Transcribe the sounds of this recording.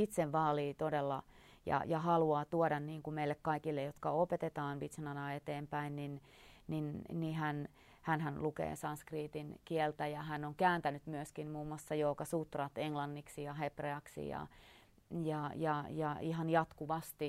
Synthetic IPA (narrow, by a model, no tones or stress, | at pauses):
it̪seʋʋɑːliːt̪odelːɑ | jɑ̰jɑhɑluɑːt̪uodɑnniːŋkumeilːekkɑikilːejot̪kɑopet̪et̪ɑːnʋit̪senɑnɑːet̪eːmpæinnin | ninnihæn | hænhænlukḛːsɑnskriːt̪inkielt̪æjɑhænːoŋkæːnt̪ænyt̪myøskinmuːmuɑsːɑjoːkɑsut̪rɑt̪eŋlɑnːiksijɑɦepreɑksḭjɑ̰ | jɑjɑjɑihɑnjɑt̪kuʋɑst̪i